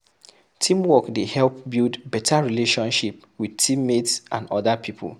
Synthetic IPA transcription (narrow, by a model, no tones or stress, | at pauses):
tʰĩmwɔkdehɛlp̚bilˠdbɛtʰaɹileʃɔ̃nʃip̚ | widtʰĩmːetsʔã̰nɔðapʰipʰṵl